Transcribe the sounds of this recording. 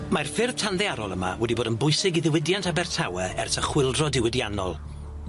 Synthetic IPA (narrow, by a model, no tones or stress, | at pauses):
marfɪrð̥tʰanðɛaɾɔlˠəma̰wɛdiboːdənbʊjsɪɡiðɪwɪdjantʰabɛrtʰawɛɛ̰rtəχwɪlˠdrɔdɪwɪdjanɔ̰lˠ